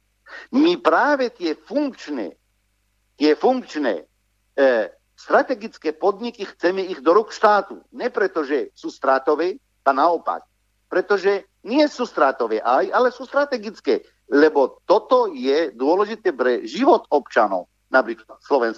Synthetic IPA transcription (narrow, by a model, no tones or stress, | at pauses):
mipɾaːʋɛt̪ɪɛfuŋkt͡ʃnɛ̰ː | t̪ɪɛfuŋkt͡ʃnɛ̰ː | st̪ɾat̪ɛɡit͡skɛːpɔd̪ɲikixt͡sɛmɛiɣd̪ɔɾukʃt̪aːt̪ṵɲɛpɾɛt̪ɔʒɛsuːst̪ɾaːt̪ɔʋɛː | anaɔpa̰k̚ | pɾɛt̪ɔʒɛ | ɲɪɛsuːst̪ɾaːt̪ɔʋɛːʔajalɛsuːst̪ɾat̪ɛɡit͡skɛː | lɛbɔt̪ɔt̪ɔjɛd̪ʊɔlɛʒit̪ɛːpɾɛʒiʋɔt̪ɔpt͡ʃanɔ̰ʊ | napɾiːklat̪slɔʋɛns